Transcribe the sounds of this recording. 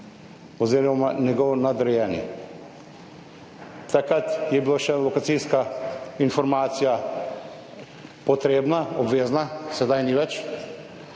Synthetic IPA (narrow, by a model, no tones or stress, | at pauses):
ɔzeːɾɔmanɛɡɔwnad̪ɾɛjɛnjɛ̰ | t̪akɾat̪jɛbiloʃɛlɔkat̪siskainfɔɾmaːt̪sija | pɔt̪ɾeːbnaɔbʋeːznasɛd̪ajniʋɛt͡ʃ